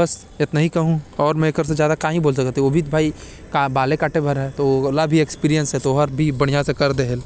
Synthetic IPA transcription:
bɐs | ɪt̪naɦikɐɦũɔːɾmɛ̃ekəɾsed͡ʒjaːd̪akaːɦĩboːls̬ɐkt̪ːɛoːbʱit̪bʱaːi | kabaːlekaːʈebʱɐɾɦɛːt̪olabʱiekspiːɾijə̃nsɦɛt̪oɦəɾbʱibɐɽ̃ijãsekɐɾd̪eɦəl

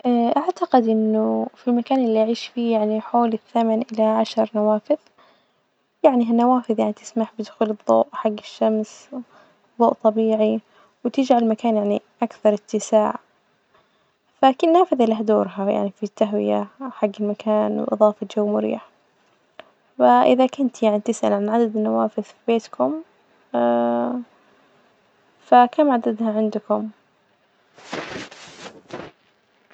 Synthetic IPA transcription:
ʔaʔaʕt̪aqɪd̪ʔɪnːʊfilmakaːnɪlːiʔaʕiːʃfiːjaʕniħoːlɪθːamanʔɪlaʕaʃɾˤnawaːfɪð | jaʕniɦanːawaːfɪðˤjaʕnit̪ɪ̥smaħbɪd̪ʊxuːlɨðˤːo̰ːʔħaɡːɪʃːams | ðˤːoːʔt̪ˤɑbiːʕi | wɪt̪ɪd͡ʒʕaɪlmakaːnjaʕniʔakθɑɾˤɪt̪ːɪsaːʕ | fakɪnaːfɪðʔɪlɪɦad̪oːɾˤɦaja̰ʕnifit̪ːaɦwɪ̰ja̰ħaɡːɪlmakʰaːnwʔɨ̰ðˤɑːfɑd͡ʒawːmʊɾḭːaħ | faʔɪðakʊnt̪jaʕnit̪ɪsʔa̰lʕanʕad̪ad̪ɪnːawaːfɪðfibeːt̪kʊm | fakamʕad̪ad̪haʕɪnd̪ʊkʊm

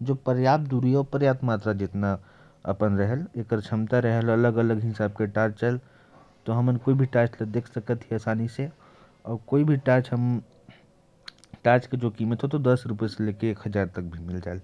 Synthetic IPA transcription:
d͡ʒopəɾjaːp̚d̪uɾiɔːpəɾjaːt̪maːt̪ɾad͡ʒɪt̪na | ə̰pənɾəɦəlekəɾt͡ʃʰəmt̪aɾəɦələləɡələɡɦɪsaːb̚keʈat͡ʃt͡ʃəl | t̪oɦəmənkoːibʱiʈaːt͡ʃləd̪eːkʰsəkət̪ɦiəsaːnise | ɔːɾkoːibʱiʈat͡ʃɦəm | ʈaːt͡ʃked͡ʒokimət̪ɦot̪od̪əsɾupeselekeːkɦəd͡ʒaɾt̪ək̚bʱimɪld͡ʒaːel

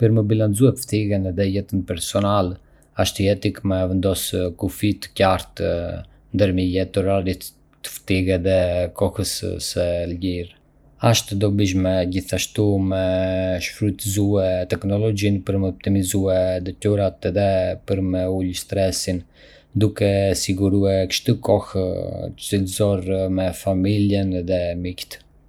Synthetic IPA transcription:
pəɾməbilant͡suɛft̪iɣɛnɛðɛjɛt̪ənpɛɾsɔnal | aʃt̪uɛt̪ikmɛvɛnd̪ɔskufit̪ə̥caɾt̪ | nd̪əɾməjɛt̪əɾaɾit̪ | t̪ə̥ft̪iɣɛðɛkɔhəssəlɟiɾ | aʃt̪d̪ɔbiʃ̬mɛd͡ʑiθaʃt̪umɛʃfɾut̪zuɛt̪ɛknɔlɔd͡ʒinpəɾmɛɔp̚t̪imizuɛd̪ɛt̪uɾat̪ɛðɛpəɾmɛulst̪ɾɛsin | d̪ukɛsiɡuɾuɛkə̥ʃt̪ukɔht̪əsilzɔɾmɛfamiljənɛðɛmikt̪

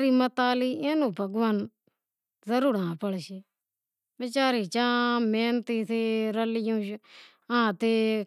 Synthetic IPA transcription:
ɾiːmət̪aːliːeːnũːbʱəɡʋən | zəɾuːɾãːpəɽʃeː | ʋɪt͡ʃaːɾiːt͡ʃãːmeːnt̪iːt̪ʰeːɾəlɪjũːʃ | ãːt̪eː

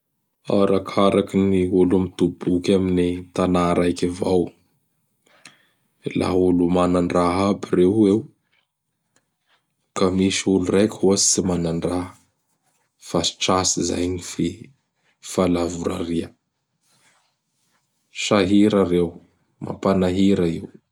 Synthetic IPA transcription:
a̰ɾakʰaɾakiniulumit̪ubukʲaminit̪anaɾajkʲivaw | la̰ɦulumanaɳɖ͡ʐaɦabirewew | kamiʃiulurajkʲhuast͡simanaɳɖ͡ʐa | fasi̥ʈ͡ʂasiza̰jnife | falavuɾa̰riə | ʃaɦiɾarew | mʔa̰panaɦiɾaiw

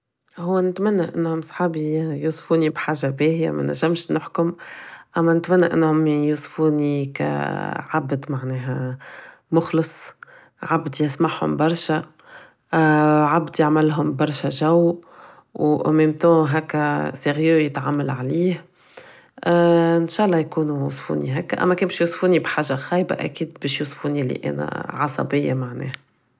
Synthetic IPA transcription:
ɦʊwːænɪt̪mænːæʔɪnːhʊmsˤħaːbijuːsˤfuːnibħaːʒabɛːhɪja̰mæ̰næ̰ʒːæmʃnɪħkʊmʔæmːænɪt̪mænːæʔɪ̰nːhʊmjuːsˤfuːnikæ̰ʕabd̪maʕnɛːɦæ | mʊxləsˤ | ʕabd̪ijɪsˤmaħhʊ̰mbɑɾˤʃa | ʕabd̪jaʕmɪlɦʊmbɑɾˤʃaʒæw | wʔɑmemt̪ɑ̃ɦækːæseɣjøjət̪ʕamːalʕaliːh | ɪnʃaːʔlˤːɑːjkuːnujṵsfṵːnḭɦækːæʔæ̰mːækɛːnbʃjusˤfuːnibħaːʒaɣɑːjba̰ʔæ̰kiːd̪bɛːʃjuːsˤfuːnilːḭʔæ̰ːnæ̰ʕɑsˤɑ̰bɪjːa̰maʕnɛ̰ːhæ

